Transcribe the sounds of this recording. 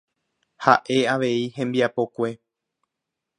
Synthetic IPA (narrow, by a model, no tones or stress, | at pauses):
ha̰ʔe̞aʋe̞ihẽmbiapo̞kʷe̞